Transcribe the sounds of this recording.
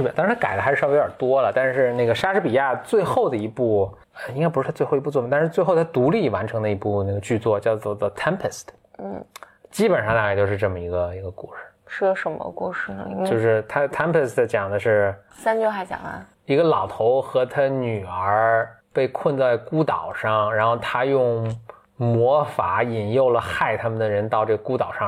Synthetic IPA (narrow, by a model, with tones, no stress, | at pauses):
t̪ɑ˥ŋ̩ʰ˥a˥ka˨˩ɪd̪ə˧xʂɻ̩˥˧˥we˧˥ə˞˨˩t̪wɔ˥lə˨t̪a˥˧nʂɻ̩˥˧ne˥˩ɡə˩ʂa˥ʂɻ̩˧˥pi˨˩ja˥˧t͡swe˥˧ɪxo˥˩ʊd̪ə˩i˧˥pu˥˩ | ə˧i˥ŋka˥ɪpu˧˥ʂɻ̩ʰ˥˩a˥˧xi˧˥pu˥˧˥wm˧˥t̪ʂ̩˥˧t͡swe˥˧ɪxo˥˧ʊt̪ʰa˥t̪u˧˥li˥˩wa˧˥nʈ͡ʂʰɤ˧˥ŋd̪ə˧i˧˥pu˥˧ne˥˩ɡə˩t͡ɕy˥˧t͡swɔ˥˧t͡ɕjɑ˥˧ʊt͡swɔ˥˧˩ɔ˥˩t̪ʰɛ˥mpʰə˨st̪ʰ | n̩˥˩ | t͡ɕi˥pə˨˩nʂɑ˥˧ŋna˥˧˩t̪o˥˧ʊʂɻ̩˥˧ʈ͡ʂɤ˥˩mə˩i˧˥ɡə˧i˧˥ɡə˧ku˥˩ʂɻ̩˨˩ʂə˥ʂə˧˥nmə̰˧ku˥˧˩ʂɻ̩̰˥˩˧t͡ɕjo˥˧ʊʂɻ̩˥˧t̪ʰa˥t̪ʰɛ˥mpʰə˧˩stə˩t͡ɕjɑ˨˩ŋd̪ə˦ʂɻ̩˥˩ | sa˥nt͡ɕjo˥˧xa˧˩ɪt͡ɕjɑ̰˨˩ŋə̰˧˩ | i˧˥ɡə˧lɑ˨˩ʊt̪ʰo˧˥ʊxɤ˧˥t̪ʰa˥ny˨˩ə˞˧˥ | pe˥˧ɪkʰwə˥˧nt͡sa˥˩ɪku˥t̪ɑ˨˩ʊʂɑ˥˩ŋɻa˧˥nxo˥˩ʊt̪ʰa˥jʊ˥˩ŋ | mwɔ˧˥fa˧˥i˨˩njo˥˩ʊlə˩xa˥˩ɪt̪ʰa˥mə˨nd̪ə˩ɻə˧˥nt̪ɑ˥˧ʊʈ͡ʂɤ˥˩ɡə˩ku˥t̪ɑ˨˩ʊʂɑ˥˩ŋ